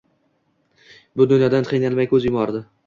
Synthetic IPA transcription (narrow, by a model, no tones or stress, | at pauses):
bʊd̪ʊnjɒd̪anqʰijnanmajkʰɵzjʊmɒɾd̪ɪ